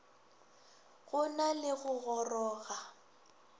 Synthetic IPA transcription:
ɣʊnalɪɣʊɣɔrɔːɣa

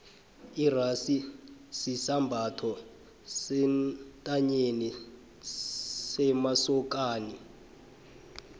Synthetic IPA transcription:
irasisisambʱatʰɔ | sɛtʼaɲeni | sɛmasɔk̬ʼaːni

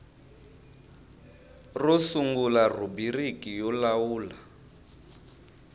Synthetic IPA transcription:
rɔsuŋɡularubirikʼijɔlawuːla

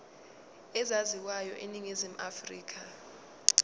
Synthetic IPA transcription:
ɛzaziwajɔ̰ʔeniŋezim̩ʔafrḭːk̬ʰa

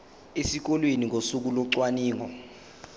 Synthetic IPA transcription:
esik̬ɔlwenik̬osuk̬ulɔǀwaniːŋɔ

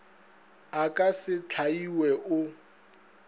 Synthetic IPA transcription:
akʼasɪt͡ɬʰaiwɛʔʊ

